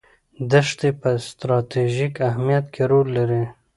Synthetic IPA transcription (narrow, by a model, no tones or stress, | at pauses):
d̪əʂt̪epəst̪ɾɑt̪ʰeʒikahmijat̪kʰeɾolːaɾi